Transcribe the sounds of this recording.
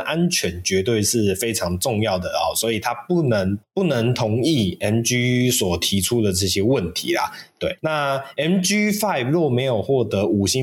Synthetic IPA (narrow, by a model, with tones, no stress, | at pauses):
ʔa˦nt͡ɕʰɥɛ˧˥nt͡ɕɥɛ˧˥t̪we˥˧ɪʂɻ̩˥˩fe˥ɪʈ͡ʂʰɑ˧˥ŋʈ͡ʂʊ˥˧ŋjɑ˥˩ʊd̪ə˩ɔ̰˨˩swɔ˧˥i˨˩t̪ʰa˦pu˥˩nə˧˦ŋpu˥˩nə˧˥ŋt̪ʰʊ˧˥ŋi˥˩ɛ˥nt͡ɕy˥swɔ˨˩t̪ʰi˨˥ʈ͡ʂʰu˥d̪ə˨ʈ͡ʂɤ˥˩ɕjɛ˥wə˥˨˩nt̪ʰḭ˨˦lɐ̰˨˩t̪we˥˩ɪna˥˨ɛ˦˥nt͡ɕy˥fa˥˨ɪplwɔ˥˩me˧˥ɪjo˨˩ʊxwɔ˥˩t̪ɤ˧˥u˨˩ɕi˦